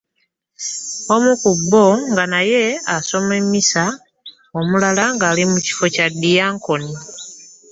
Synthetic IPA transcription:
o̞mukubːo̞ŋɡanaje̞aso̞memːisa | omulalaŋɡaːlimuci̥fo̞cadijaːŋko̞ni

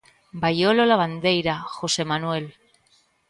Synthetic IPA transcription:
bajololaβand̪e̞jɾaxo̞se̞manue̞l

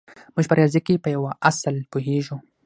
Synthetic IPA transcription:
muʒpəɾjɑzikepəjawaʔaslpoɦeʒu

